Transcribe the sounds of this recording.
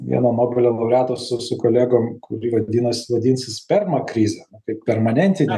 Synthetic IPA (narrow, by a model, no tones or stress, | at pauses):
ʋʲḭɛnoːmoːbʲɪlʲoːlˠɐʊɾʲæːt̪oːsʊsʊkoːlʲeːɡoːmkʊɾʲiːʋɐd̪ʲiːnɐsʲɪʋɐd̪ʲiːnʲsʲɪspʲɪrmɐkɾʲiːzʲɛnʊkɐɪppʲɛrmɐnʲɛnʲt̪ʲɪnʲe